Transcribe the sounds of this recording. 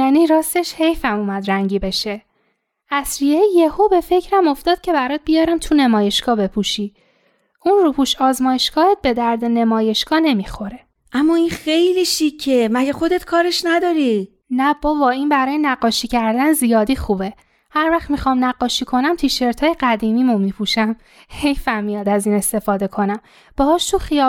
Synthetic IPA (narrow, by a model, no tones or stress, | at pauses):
jæːniːɾɒːst̪eʃhe̞jfæmuːmæd̪ɾæŋɟiːbe̞ʃe̞ | æsɾijejehobe̞fe̞cʰɾæmo̞ft̪ɒːd̪̥̚cʰe̞bæɾɒːd̪̚bijɒːɾæmt̪ʰune̞mɒːje̞ʃɡ̥ɒːbe̞pʰuʃiː | ʔunrupʰuʃɒːzmɒːjeʃɡ̥ɒːet̪̚be̞d̪æɾd̪ene̞mɒːje̞ʃɡ̥ɒːne̞mixo̞ɾe̞ | ʔæmːɒːinxejliʃicʰːemæɟexod̪et̪kʰɒːɾeʃnæd̪ɒːɾi | næb̥ɒːbɒːiːnbæɾɒːjenæɡːɒːʃicʰæɾd̪ænzijɒːd̪iːxuːbe̞ | hæɾvæxmixɒːmnæɢːɒːʃikʰo̞næmt̪ʰiʃe̞ɾt̪ʰɒːjeɡæd̪iːmiːmomipʰuʃæm | he̞jfæmːijɒːd̪æziːne̞st̪e̞fɒːd̪e̞kʰo̞næm | b̥ɒhɒːʃt̪ʰuxijɒː